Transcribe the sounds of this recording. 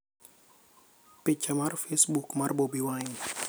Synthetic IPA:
pit͡ʃːamarfesbukmarbobiwain

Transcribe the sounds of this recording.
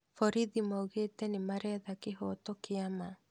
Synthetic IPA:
fɔɾiðimauɣetɛnemaɾɛðakeɦɔtɔkeama

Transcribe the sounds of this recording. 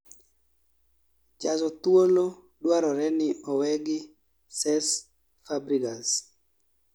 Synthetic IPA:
d͡ʒazɔt̪wolo | dwaɾɔɾɛnɪɔwɛɡɪ | sɛs | fabɾiɡas

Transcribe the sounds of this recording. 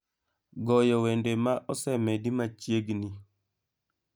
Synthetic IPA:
ɡɔjɔwendemaʔɔsɛmedimat͡ʃjeɡni

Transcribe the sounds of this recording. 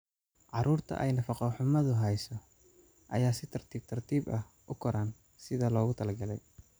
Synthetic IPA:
ʕɑɾuːrt̪ʰɐ̰ʔɛjnɐfɑqɔħʊmɐðʊɦɛjsɔ | ʔɐ̰jaːsɪt̪ʰɐrt̪ʰiːb̚t̪ʰɐrt̪ʰiːbɐh | ʔʊkʰɔɾaːn | sɪðɐlɔːɣʊt̪ʰɐlɐɡɐlɛ̰j

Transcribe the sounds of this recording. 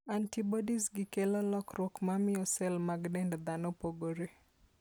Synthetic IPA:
antibɔdisɡɪkelɔlɔkɾwɔkmamɪjɔsɛlmaɡdɛndd̪anopoɡoɾe

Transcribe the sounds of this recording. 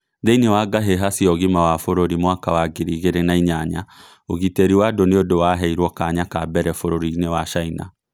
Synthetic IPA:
ðeinewaɡaɦeɦasiɔɣimawafoɾoɾimwakawaɡeɾiɣeɾenaiɲaɲa̰ | oɣiteɾiwadoneodowaɦɛiɾwɔkaːɲakabɛɾɛfoɾoɾinewaʃaina̰

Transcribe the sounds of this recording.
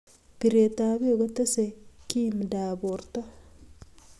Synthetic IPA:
piɾet̪aːβeɡot̪esekimdaːβoɾt̪a

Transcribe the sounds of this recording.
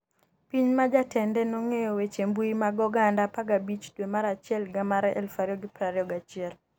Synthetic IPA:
piɲmad͡ʒatɛndɛnɔŋejɔwet͡ʃembuimaɡɔɡandapaɡabit͡ʃdwemaɾat͡ʃɪɛlɡamaɾɛʔɛ̰lfaɾjɔɡɪpɾaɾjɔɡat͡ʃɪɛl

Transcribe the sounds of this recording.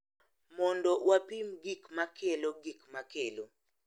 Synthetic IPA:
mɔndɔwapimɡikmakeloɡikmakelo

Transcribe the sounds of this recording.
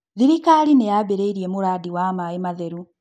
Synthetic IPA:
ðiɾikalinejabeɾeiɾjemuɾaːdiwaːmajimaðeɾu

